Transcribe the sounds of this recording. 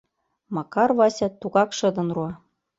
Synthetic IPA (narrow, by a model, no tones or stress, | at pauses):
mɑkɑrβɑsʲɑt̪ːuɣɑkʃɤ̆d̪ɤ̆nruɑ